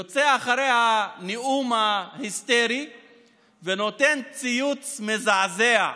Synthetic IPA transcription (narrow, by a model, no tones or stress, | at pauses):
ot͡seaχaɾejhaniumahist̪eɾi | veno̞t̪e̞nt͡sijut͡smezazea